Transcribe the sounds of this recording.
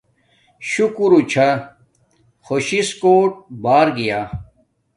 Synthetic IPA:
ɕukuɾut͡ɕʰa | xoɕiskoːʈ̚baːɾɡijaː

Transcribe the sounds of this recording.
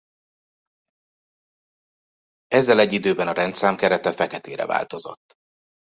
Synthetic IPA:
ɛzːɛlɛɟːid̪øːbɛnɒɾɛnt̪saːmkɛɾɛt̪ɛfɛkɛt̪eːɾɛ̰va̰ːlt̪o̞zo̞̰t̪ː

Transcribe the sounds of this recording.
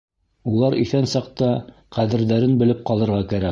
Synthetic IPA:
ulˠɑɾʔiθænsɑq̚t̪ɑ | qæðɘ̆ɾðæɾɘnbɘ̆lɘp̚qɑlˠɤ̆ɾʁɑkæɾæ

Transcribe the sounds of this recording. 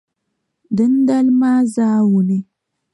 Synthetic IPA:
d̪ənd̪almaːzaːwuni

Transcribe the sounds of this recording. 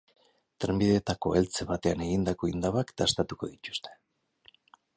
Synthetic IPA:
t̪ɾembiðe̞ːt̪ako̞e̞lt͡se̞βat̪e̞ane̞ɣind̪ako̞ind̪aβakd̪ast̪at̪uko̞ðit̪u̥st̪e̞̥

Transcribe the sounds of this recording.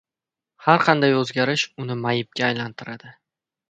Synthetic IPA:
haɾqʰɑnd̪ajɵzɡʲaɾɪʃʊnɪmajɪp̚ɡʲaːjlant̪ʰɪɾad̪ɪ

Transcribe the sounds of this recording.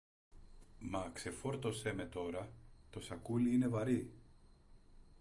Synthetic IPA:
mɐkse̞fo̞ɾt̪o̞se̞me̞t̪o̞ɾɐt̪o̞sɐkuliine̞vɐɾi

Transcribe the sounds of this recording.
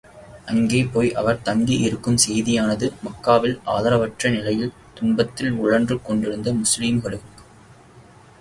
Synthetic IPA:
ɐŋɡeːpoːjʔɐ̰ʋɐɾt̪ɐŋɡiʔɪɾɯkːɯmsɛjðɪjaːnɐðɯmɐkːaːʋɪlʔa̰ːðɐɾɐʋɐʈrɐnɪlɐjɪl | t̪ʊɳbɐt̪ːɪlʊɻɐndrɯkːɔɳɖɪɾɯnd̪ɐmʊsliːmɣɐɭɯk

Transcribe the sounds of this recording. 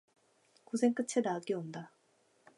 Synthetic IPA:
kusʰeŋk͈ɯt͡ɕʰenak͈eonda

